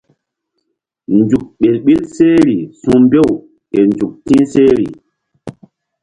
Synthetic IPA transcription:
nd͡ʒu˨k̚ɓe˨lɓi˦lse˦ɾi˨sũ˦mbe˦˨w | ɛ˨nd͡ʒu˨k̚tĩ˦se˦ɾḭ˨

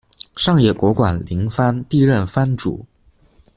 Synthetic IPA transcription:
ʂɑ˥˧ŋjɛ˥˩kwɔ˧˥kwa˨˩nli˧˥ŋfa˥nt̪i˥˧ɻə˥˩nfa˥nʈ͡ʂṵ˨˩˦

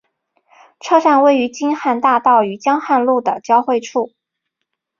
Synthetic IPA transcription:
ʈ͡ʂʰɤ˥ʈ͡ʂa˥˧nwe˥˩ɪy˧˥t͡ɕi˥nxa˥˧nt̪a˥˧t̪ɑ˥˩ʊy˧˥t͡ɕjɑ˥ŋxa˥˧nlu˥˩d̪ə˩t͡ɕjɑ˥ʊxwe˥˧ɪʈ͡ʂʰu˥˩

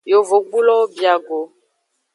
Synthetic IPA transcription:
jo˨vo˨ɡ͡bu˦lɔ˦o˦bi˨a˨ɡo˨

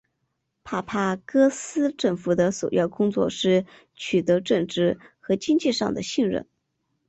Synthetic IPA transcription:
pʰa˥˩pʰa˥˩kɤ˥sɹ̩˥ʈ͡ʂɤ˥˩ŋfu˧˥d̪ə˧swɔ̰˨˩jɑ̰˥˩ʊkʊ˥ŋt͡swɔ̰˥˧ʂɻ̩˥˩ | t͡ɕʰy˨˩t̪ɤ˧˥ʈ͡ʂɤ˥˧ŋʈ͡ʂɻ̩˥˩xɤ˧˥t͡ɕi˥ŋt͡ɕi˥˧ʂɑ˥˩ŋd̪ə˩ɕi˥˧ŋɻə̰˥˩n

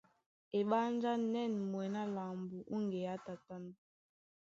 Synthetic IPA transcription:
e˨ɓa˦nd͡ʒa˦nɛ˦˨n˨mwɛ˨na˦la˨mbu˨ʔu˦ŋɡe˨ja˦ta˨ta˦na˦

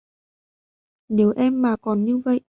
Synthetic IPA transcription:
ne˨˦wʔɛ˧mːaː˨˩kɔ˨˩nɲɨ˧və̰˧˨jʔ

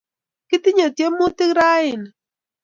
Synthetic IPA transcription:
kɪ˦t̪ɪ˦ɲo˨tje˦mʊ˦t̪ɪ˦ɾa˦ɪ˨n

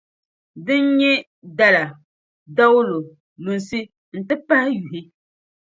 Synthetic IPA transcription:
dɨ˦n˦ɲɛ˦ | da˦la˨ | da˦wlo˨ | lu˨nsi˦ | n̩˨tɨ˦pa˦hɪ˦ju˨ɦɪ˦

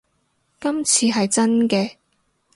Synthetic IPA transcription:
kɐ˥mt͡sʰiː˧ɦɐ˨jt͡sɐ˥nkɛː˧

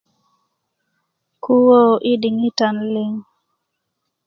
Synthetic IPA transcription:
ku˦wo˦ʔi˦di˨ŋi˦ta˨nlɪ˦ŋ

